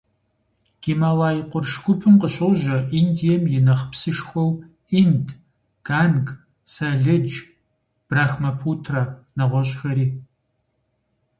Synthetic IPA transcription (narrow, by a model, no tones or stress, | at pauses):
ɡ̥imaːlaːjiqʷʊrʂkʷʊpʰɨmqəɕowʑɐʔindijɛmjɪnɐχpsɨʂxʷɔw | indʰ | ɡ̥aːnɡ | saɮɨd͡ʒ | b̥raːxmɐpʰuːtʰranɐʁʷɔɕʼxɐɾiː